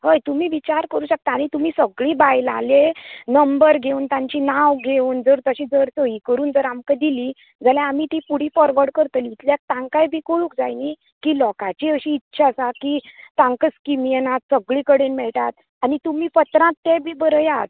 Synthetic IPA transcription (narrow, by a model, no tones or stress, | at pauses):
həjt̪umiːʋit͡ɕaɾkəɾuːɕək̚t̪aːɽ̃it̪umiːsəɡɭibajla̰lenəmbəɾɡʱeuːnt̪ãɲt͡ɕiːnaʋɡʱeuːnd͡zəɾt̪əɕĩːd͡zəɾsəiːkəɾuːnd͡z̪əɾamkad̪iliː | d͡zaljãːmit̪iːpuɽ̤iːfɔɾʋəɾɖkəɾt̪əlːt̪ljak̚t̪ãŋkajbʱiːkoɭuːk̚d͡zajni | kiːlɔkat͡ɕiəɕiːtːɕʰasakit̪ãŋkəskimijɛnat̪səɡɭikəɽenmɛɭʈat̪̚ | anit̪umiːpət̪ɾãt̪ːebʱiːbəɾəjat̪